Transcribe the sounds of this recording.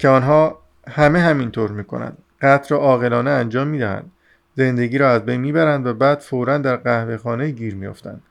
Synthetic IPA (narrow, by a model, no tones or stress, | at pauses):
cʰeɒːnɦɒː | hæme̞ɦæmint̪ʰoːɾmiːkʰo̞̰næ̰nd̪̥ | ɢæt̪ʰɾɒʔɒːɣe̞lɒːneænd͡ʒɒːmːiːd̪æhæ̰nd̪̥ | ze̞nd̪e̞ɡiːɾɒːæzbejnmiːbæɾænd̪væbæːd̪̥foɾænd̪æɾɣæhve̞xɒːnejiːɟiːɾmijo̰ft̪ʰæ̰nd̪̥